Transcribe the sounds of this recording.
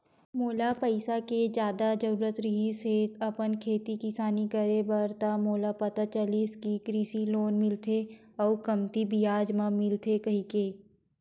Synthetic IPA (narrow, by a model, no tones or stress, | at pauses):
moːlapəɪsaked͡ʒjaːd̪ad͡ʒəɾuːɾət̪ɾɪɦiset̪ʰɐpənkʰeːt̪ikɪsaːnikəɾebɐɾt̪amoːlapɐt̪at͡ʃəliːskikɾiːsiloːnmɪlt̪ʰe | ɔːkɐmt̪ibijaːd͡ʒmãmɪlt̪ʰekɐɦikeː